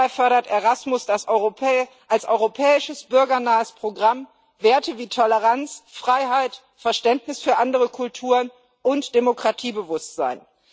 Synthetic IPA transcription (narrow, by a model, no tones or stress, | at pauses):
ɪfœɐɾɐteʁasmʊsd̥as | ʔalsʔɔʏʁopʰɛːɪʃəsb̥ʏɐɡɐnaːəspʁ̥oɡʁam | veːɐtəviːtʰɔləʁant͡sfʁ̥aɪɦaɪt | fɛɐʃtɛntnɪsfyːɐʔandəʁəkʰʊltʰuːʁən | ʔʊntd̥emokʁ̥atʰiːbəvʊstz̥a̰ɪn